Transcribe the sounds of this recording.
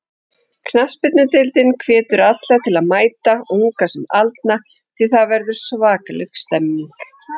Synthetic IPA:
kʰnaspɪt̪nʏt̪ɪlt̪ɪnkʰvɛːt̪ʏɾat̪lat̪ʰɪlaðmaːjt̪auŋkasɛmalt̪̚na | t̪ʰɪðθaðvɛɾðʏɾ̥svaːkalʏkst̪ɛmːiŋk

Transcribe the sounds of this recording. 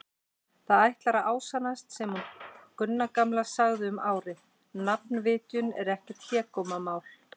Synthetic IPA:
θaðajht̪laɾaʔaːwsanast̪sɛmhunkʏnːakamlasaɣðɪʏmaːwɾɪ | nap̚nvɪːt̪jʏnɛɾɛhcɪt̪ʰjɛːkɔmamaːwl̥

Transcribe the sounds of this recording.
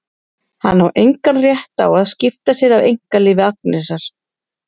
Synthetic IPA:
hanːawʔejŋkanrjɛht̪a̰waðscɪft̪asjɛɾavejŋ̥kalɪːvɪak̚nɪsaɾ̥

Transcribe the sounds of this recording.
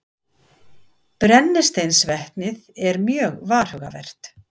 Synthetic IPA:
pɾɛnːɪst̪ejnsvɛht̪nɪðɛɾmjœːɣvaːr̥hœɣa̰vɛ̰r̥t̪

